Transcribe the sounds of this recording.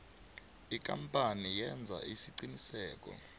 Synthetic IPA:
ik̬ʼa̰mpʼanijɛnd͡zʱa̰ʔisiǀinisɛːk̬ʼɔ̰

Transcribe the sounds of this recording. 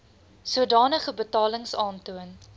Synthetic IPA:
suədɑːnəχəbətɑːləŋsɑːntuən

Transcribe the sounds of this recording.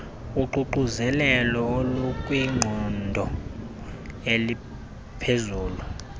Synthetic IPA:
uǃuǃuzɛlɛlɔolukʼwiŋ͡ǃʱɔndʱɔ | eli | pʰezuːlu

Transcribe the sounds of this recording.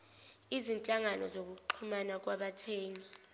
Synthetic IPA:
izint͡ɬʼaŋanɔzok̬uk̬ǃʰumanak̬waɓatʰeːŋi

